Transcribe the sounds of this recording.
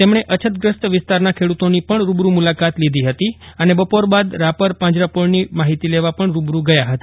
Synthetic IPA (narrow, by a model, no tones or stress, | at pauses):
t̪emɳeʔət͡ʃʰət̪ɡɾəst̪ʋɪst̪aɾnakʰeɽut̪onipəɳɾubɾumulakat̪lid̪ʱiɦət̪iənebəpoɾbad̪ɾapəɾpãd͡ʒɾapoɭnimaɦit̪ileʋapəɳɾubɾuɡəjaɦət̪a